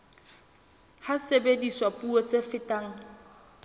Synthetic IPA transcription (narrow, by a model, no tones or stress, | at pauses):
hasebediswapʼuot͡sʼefɪtʼaːŋ̩